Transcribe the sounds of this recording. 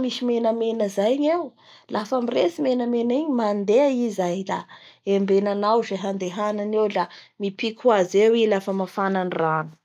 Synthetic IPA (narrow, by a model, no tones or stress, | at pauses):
misimenəmenəzajɲew | lʔafamiresimenəmeniɲimand̪eaizajd̪a̰embenanawzeɦand̪eɦananewlamipikʰwazewilafəmafananiranu̥